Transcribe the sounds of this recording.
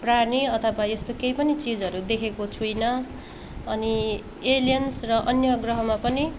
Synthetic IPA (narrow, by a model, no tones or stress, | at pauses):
praniʌt̪ʰʌwajest̪okejpʌnit͡sid͡zʌɾud̪ekʰekot͡sʰujnʌ | ʌni | elijʌnsrʌʔʌnjʌɡrʌɦʌmapʌni